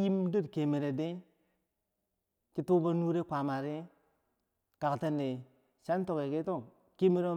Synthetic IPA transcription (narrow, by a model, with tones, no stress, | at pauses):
ji˦mdu˦dke˨me˨ɾe˨de˦ | ki˦tu˦ba˦nu˦ɾe˦kʷa˨ma˨ɾi˦ | ka˨kte˦ne˨ | ʃa˦n˦to˨ke˨ke˦to˦˨ | ki˦me˦ɾe˦